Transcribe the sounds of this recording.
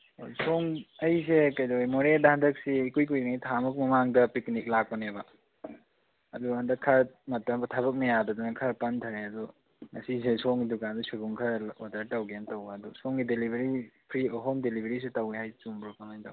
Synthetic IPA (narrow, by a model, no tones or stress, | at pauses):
osoŋɐjs̬ekɐjdoemoɾedɐhandɐk̚sikujk̬ujŋajtʰamuk̚mɐmaŋdɐpiknik̚lak̚pɐnebɐ | ɐduɦandɐkʰaɾmɐtːɐmbɐtʰaβɐk̚nɐjadɐdunɐkʰɐɾpɐntʰaɾeɐdu | ŋɐsisesoŋɡidukandɐsiɡuŋkʰaɾodɐɾtɐwɡentɐwɐdusoŋɡidelibʱeɾipʰɾioɦɔmdelibʱeɾis̬itɐwehajt͡ʃuŋbɾɔkʰanajta̰w